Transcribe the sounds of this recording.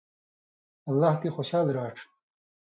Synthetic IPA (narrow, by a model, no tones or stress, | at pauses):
ɐlːaːht̪exoɕaːlɾaːʈ͡ʂʰ